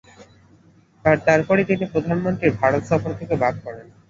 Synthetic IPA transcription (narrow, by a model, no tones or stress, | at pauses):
t̪aɾt̪aɾpɔɾit̪inipɾod̪ʱanmont̪ɾiɾbʱaɾot̪ʃɔfoɾt̪ʰekebad̪̚kɔɾen